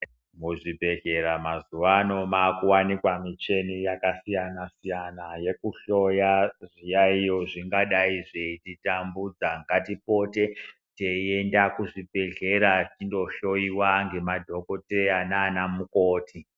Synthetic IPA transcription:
muʐibʱe̞ɮeɾamazuwano̞maːkuwanikwamit͡ʃe̞nijakasijanasijanaje̞kuɬo̞jaʐijaijo̞ʐiŋɡaɗaiʐeititambud͡zaŋɡatipo̞te̞ | teiendakuʐibʱe̞ɮe̞ɾatindo̞ʃo̞iwaŋɡe̞madʱo̞ko̞teananamukoːti

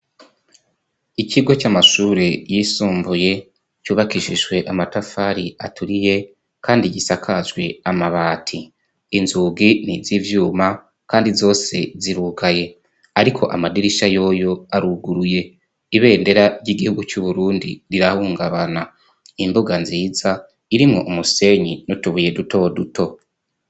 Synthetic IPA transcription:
icʰiɡo̞t͡ʃamaʃuːɾe̞jiːsuːmbuje̞ | t͡ʃuːβakiʃiʒwe̞ʔamatafaːɾiatuɾije̞ | kʰaːndiɟisakʰazɡwe̞amaβaːtʰiː | nzuːɡinizivjuːma | kaːndizo̞ːse̞̰ziɾuːkaje̞ | aɾikʰo̞̰ʔamadiɾiʃajo̞ːjo̞aɾuɡuɾuje̞ | iβe̞ːnde̞ɾaɟiɡihuɡut͡ʃuβuɾuːndḭɾiɾahuːŋɡaβana | imbuɡanziːza | iɾimŋo̞̰ʔumuse̞ɲinutuβuje̞duto̞dutʰo̞

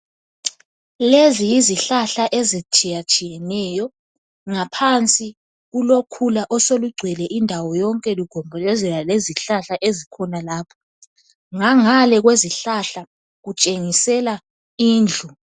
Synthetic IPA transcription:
lezijiziɬaɬaʔezit͡ʃʰijat͡ʃʼijɛnɛjɔ | ŋapʰant͡sʼi | ɣulokʰulaʔɔsoluɡ͡ǀʱwɛlɛʔindʱawɔjɔŋkʼɛluɡ̥ʱɔmbʱɔlɛzɛlaleziɬaɬaʔezikʰɔnalaːpʰɔ̥ | ŋaŋalɛɣweziɬaɬa | ɣut͡ʃʼeŋisɛla | iːnd͡ɮʱu

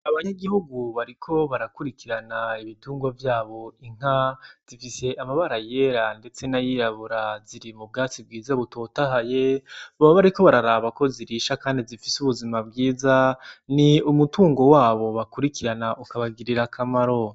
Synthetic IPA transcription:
aβaɲaɡihuɡuβaɾikʰo̞βaɾakuɾikiɾanaiβituːŋɡwavjaːβo̞iŋ̥az̥ifise̞ʔamaβaɾaje̞ɾande̞t͡se̞najiɾaβuɾaziɾimub̚ɡaːt͡sib̚ɡiːzaβuto̞ːtahajeβaβaβaɾiko̞βaɾaɾaːβako̞ziɾiʃakaːndizifisuβuzimab̚ɡiːzaniumutuːŋɡo̞waːβo̞βakuɾikiɾanaʔukaβaɡiɾiɾakʰamaɾo̞

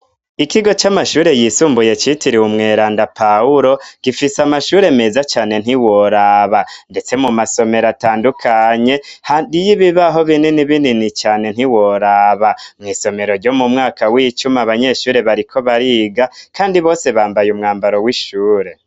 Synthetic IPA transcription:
ikiɡo̞t͡ʃamaʃuːɾe̞jisuːmbuje̞t͡ʃitʰiɾiwumŋe̞ːɾaːndapauɾo̞ɡ̥ifisamaʃuːɾe̞me̞zat͡ʃaːne̞n̥iwo̞ɾaβande̞t͡se̞mumaso̞me̞ɾataːndukʰaɲe̞hadijiβiβaɦo̞βininiβininit͡ʃaːne̞n̥hiwo̞ɾaːβamŋiːso̞me̞ɾo̞ɾɟo̞mumŋaːkʰawiːt͡ʃumaβaɲe̞ʃuːɾe̞βaɾikʰo̞βaɾiɡakaːndiβo̞ːse̞βaːmbajumŋaːmbaɾo̞wiʃuːɾe̞

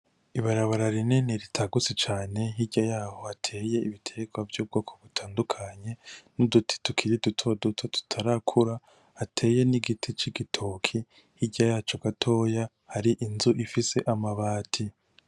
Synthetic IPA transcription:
iβaɾaβaɾaɾineniɾitʰaɡut͡sit͡ʃaːne̞ɦiɟajaːho̞hatʰe̞je̞iβitʰe̞ɡwavjuːb̚ɡoːkʰoβutʰaːndukʰaɲe̞nudutʰi̥tukʰiɾidutʰo̞dutʰotu̥tʰaɾakʰuɾa | hatʰe̞ːje̞niɡitʰit͡ʃiɡitʰokʰi | hiɟajaːt͡ʃo̞ɡatʰo̞ːja | haɾiʔinzuʔifise̞ʔamaβaːtʰi

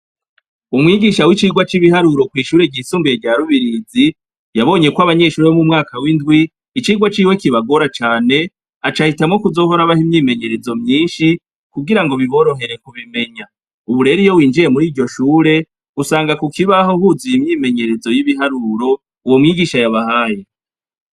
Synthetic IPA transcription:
umŋiːɡiːʃawit͡ʃiːɡwat͡ʃiβihaɾuɾo̞kwiːʃuːɾe̞ɟiːsuːmbieɟaːɾuβiɾiːzi | jaβo̞ːɲe̞kwaβaɲe̞ʃuːɾeomumŋaːkawindɡwiː | t͡ʃiːɡwat͡ʃiːwe̞kiβaɡo̞ɾat͡ʃaːne̞ | at͡ʃahitamŋo̞kuzo̞ːɦo̞ɾaβahimɲiːme̞ɲe̞ɾe̞zo̞mɲiːnʃi | kuɡiɾaŋɡo̞βiβo̞ɾo̞ɦe̞ɾe̞kuβime̞ɲa | uβuɾe̞ɾijo̞wiːnd͡ʒiɾe̞muɾiːɾɟo̞ʃuːɾe̞ | usaːŋɡakukiβahohuzijimɲiːme̞ɲe̞ɾe̞zo̞jiβiɦaɾuɾo̞ | uwomŋiːɡiʃajaβahaːje

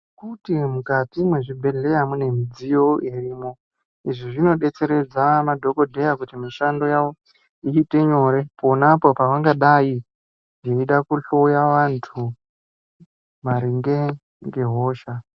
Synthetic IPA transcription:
kutimukatimweʐibʱe̞ɮe̞jamune̞mid͡zijo̞iriːmo̞ | iʐiʐino̞ɗe̞t͡se̞ɾe̞d͡zamadʱo̞ko̞dʱe̞jakutimiʃando̞jaʋo̞ | iite̞ɲo̞ɾe̞ponapo̞paʋaŋɡaɗai | neiɗakuɬoujaʋantʰu | ʋaɾiŋɡe | ŋɡe̞ɦo̞ːʃa

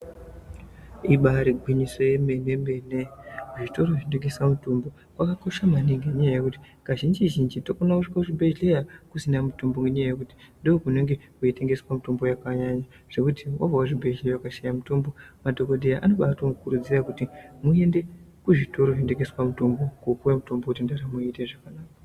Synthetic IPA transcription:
iɓaɾiɡʱwiɲiso̞jemenemeneuʐito̞ɾo̞ʐindeɡeswamutombo̞ | wakako̞ʃamaniŋɡeɲajajekuti̥ | kaʒind͡ʒiʒind͡ʒitokonakuʂikauʐibʱe̞ʒlejakusinamutombo̞ŋɡeɲajajekuti̥ndookune̞ŋɡe̞kuite̞ŋɡe̞swamito̞mbo̞jakaɲaɲa | ʐ̥e̞kutʰiwa̰vawaʐibʱeejawakaʃajamutombo̞madʱo̞koɗejaʔano̞ɓatoukurud͡zirakutimue̞nde̞kuʐito̞ɾoʐindeɡeswamutombo̞kukuwemutombokutindaramuite̞ʐakanaːka

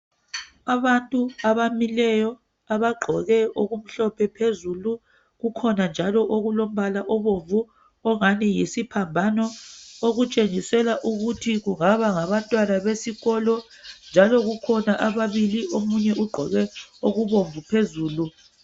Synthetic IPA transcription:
aβantʼuaβamilɛjɔ | aβaɡ͡ǃʱɔɣɛoɣum̩ɬɔpʰɛpʰezuːlu | ɣukʰɔnand͡ʒʱalɔʔoɣulom̩βalaʔɔβoɱvu | ɔŋanijisipʰambʱanɔoɣut͡ʃʼeŋisɛlaʔuɣutʰiɣuŋaβaŋaβantʼwanaβesiɣɔlɔ | nd͡ʒʱalɔɣukʰɔnaʔaβaβiliomuɲɛʔuɡ͡ǃʱɔ̰ɣɛoɣuβoɱvupʰezuːlu

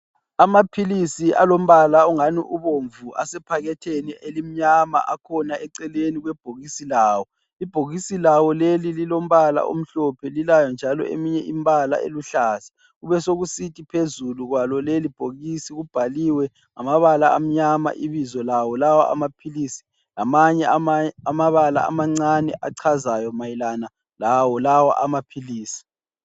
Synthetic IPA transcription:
amapʰilisiʔa̰lom̩βalauŋanḭʔuβoɱvua̰sɛpʰaɣɛtʰeniʔelim̩ɲama̰ʔakʰɔnaʔɛǀɛleniɣwɛb̥ʱoɣisilaːwɔ | ib̥ʱoɣisilawɔlelililom̩βala̰ʔo̰m̩ɬɔpʰɛlilajɔnd͡ʒʱalɔ̰ḛmiɲɛʔimbʱʼala̰ḛluɬaːsɛ̥ | ɣuβɛsoɣusitʰʼipʰezuluɣwalɔlelib̥ʱoɣisiɣub̥ʱaliwɛ | ŋamaβalaam̩ɲama̰ʔiβizɔlawɔlawa̰ʔa̰mapʰilisi̥ | lamaɲɛamaβala̰a̰maŋ͡ǀanɛ̰ʔaǀʰazajɔmajilana | lawɔlawa̰ʔamapʰiliːsi̥

